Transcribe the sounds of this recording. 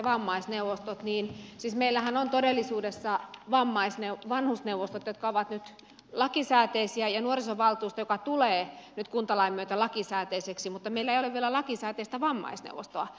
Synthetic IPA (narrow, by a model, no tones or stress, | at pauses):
ʋɑmːɑisneuʋost̪ot̪niːnsiːsmeilːæhænont̪odelːisuːdesːɑʋɑmːɑisneuʋɑnhusneuʋost̪ot̪jot̪̚kɑoʋɑt̪nyt̪ | lɑkisæːt̪eisiæjɑnuorisoʋɑlt̪uːst̪ɑjokɑt̪uleːnyt̪̚kunt̪ɑlɑimːyøt̪ælɑkisæːt̪eiseksimut̪ːɑmeilːæeijoleʋʋielælɑkisæːt̪eist̪æʋɑmːɑ̰isnḛuʋo̰st̪oɑ